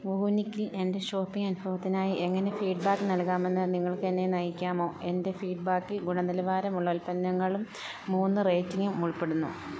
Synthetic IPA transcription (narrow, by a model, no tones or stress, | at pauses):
ʋuunikʲːile̞nde̞ɕo̞ːpːiŋɐnubʱɐʋɐt̪ːinaːjiʔe̞ŋːɐne̞fiːʈbaːkːɨnɐlkaːme̞nːɨniŋːɐɭkɨenːe̞nɐjikʲːaːmo̞ːe̞nde̞fiːɖ̚baːkːilɡuɳɐnilɐʋaːɾɐmuɭːɐulpɐnːɐŋːɐɭumː | uːnːɨreːtːiŋɡumuɭpːeɽunːṵ